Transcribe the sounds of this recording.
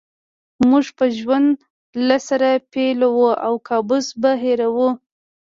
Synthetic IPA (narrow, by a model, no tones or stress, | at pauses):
muʐpəʒwand̪ | lasaɾapelawuawkʰɑbʊsbaɦeɾawu